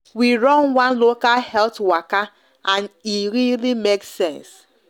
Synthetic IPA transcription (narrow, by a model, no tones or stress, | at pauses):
wiɹɔ̃nwãnlokalhɛltwaka | ʔãniɾilimeksɛ̃ns